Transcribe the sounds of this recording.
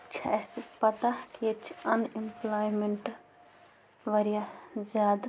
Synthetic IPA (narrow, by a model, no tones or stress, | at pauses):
t͡ʃʰa̰spɐt̪aket͡ʃʰɐnimplɔjmeɳʈ | ʋəɾijad͡ʒad̪